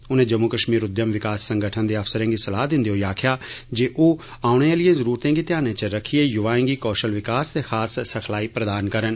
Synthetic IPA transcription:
ʊnẽːd͡ʒəmːukəʃmiːɾʊd̪jəmʋɪkaːsːə̃ŋɡəʈʰənd̪eːɐfsəɾẽːŋɡisɐlaːd̪ɪ̃nd̪iɦoːjaːkʰjaːd͡ʒeːʔoː | aːʊɽ̃elɪjẽːzəɾuːɾt̪ẽːŋɡit̪ɪjaːnẽt͡ʃəɾəkʰieːjʊʋaːẽŋɡiːkɔːʃəlʋɪkaːst̪eːxʰaːsːəkʰlaːiːpɾəd̪aːnkəɾən

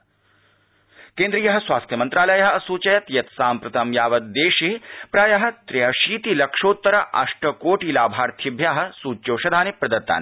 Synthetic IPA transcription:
keːnd̪ɾijɐɦɐ̆sʋaːst̪ʰjɐmɐnt̪ɾaːlɐjɐɦɐ̆ɐsuːt͡ʃɐjɐt̪jɐt̪saːmpɾɐt̪ʰɐmjaːʋɐt̪̚d̪eːʃepɾaːjɐɦɐ̆t̪ɾejɐʃiːt̪ilɐkʂoːt̪ːɐɾɐʔɐ̰ʂʈɐkoːʈilaːbʱaːɾt̪ʰibʱjaːɦɐ̆suːt͡ʃːjoːʃɐd̪ʱaːnipɾɐd̪ɐt̪ːa̰ːn

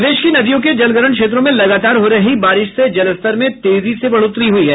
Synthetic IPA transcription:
d̪eːʃkinɐd̪ijõk̬ed͡ʒɐlɡəɾəɳ̃kʃeːt̪̬ɾõmẽlɐɡaːt̪aːɾɦoɾɐɦibaːɾɪʃsed͡ʒɐləst̪əɾmẽt̪eːzisebɐɭʊt̪ɾiɦuiɦɛː

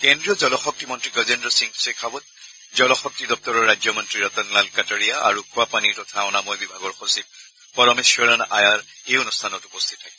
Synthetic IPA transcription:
kendɹijɔzɔlɔxɔk̚timɔntɹiɡɔzendɹɔsiŋsekʰabɔt̚ | zɔlɔxɔk̚tidɔp̚tɔɹɔɹːajzjɔmɔntɹiɹɔtɔnlalkatɔɹijaa̰ɹukʰuapaniɹtɔtʰaʊnamɔjbibʱaɡɔɹxosib̚ | pɔɹɔmesɔɹanʔa̰jaɹeʊnustʰanɔtupɔstʰi̥tʰːakɛ

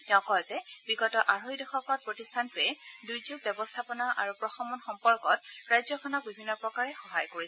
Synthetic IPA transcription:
tɛʊ̃kɔɛzɛbiɡɔtɔʔaɹɦojdɔxɔkɔt̚pɹotistʰantɹɛdujzuk̚bjɛbɔstʰapɔnaʔa̰ɹupɹɔxɔmɔnxɔmpɔɹkɔtɹajzɔkʰɔnɔk̚bibʱinːɔpɹɔkaɹɛxɔɦajkoɹi

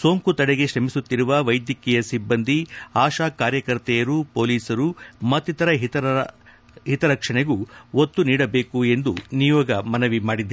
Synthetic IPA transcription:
so̞ːŋkut̪ɐɽeɡe̞ʃɾɐmisut̪ːiɾuʋɐʋɐjd̪jɐkɛjɐsibːɐnd̪ʱiaːʃaːkaːɾjɐkɐɾt̪ɛjɐɾupo̞ːliːsɐɾumɐt̪ːit̪ɐɾɐɦit̪ɐ | ɦit̪ɐɾɐkʂɐɳeɡuot̪ːuniːɽɐbe̞ːkue̞nd̪unijɔːɡɐmɐnɐʋimaːɽid̪ːɐ

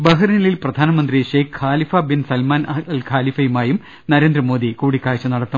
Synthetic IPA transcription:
bɐɦɐrnɐlilprɐd̪ʱaːnɐmɐnd̪riɕeːkhaːlifɐbinsɐlmaːnɐɐlkʰaːlifɐjumaːjum | nɐɾeːnd̪ɾɐmo̞ːd̪ikuːɽikːaːjt͡ɕːɐnɐɽɐt̪ːɐm

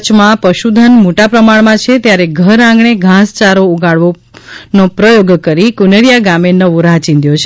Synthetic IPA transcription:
t͡ʃmãpəʃud̪ʱənmoʈapɾəmaɳmãt͡ʃʰet̪jaɾeɡʱəɾãŋɡɳeɡʱãst͡ʃaɾouɡaɽʋo | nopɾəjoɡkəɾikunəɾijaɡamenəʋũɾãt͡ʃĩnd̪jot͡ʃʰe

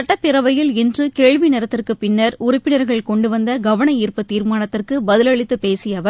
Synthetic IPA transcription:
ɐʈːɐpːɪɾɐʋɐjɪlɪndrɯkeːɻʋinɪɾɐt̪ːɪrkɯpɪnːɐɾʊɾʊpːɪnɐɾɣɐɭkɔɳɖɯʋɐnd̪ɐɡɐʋɐɳɐiːrpɐt̪ːiːɾmaːnɐt̪ːɪrkɯbɐðɪlɐɭɪt̪ːɯpeːsɪjɐʋɐ

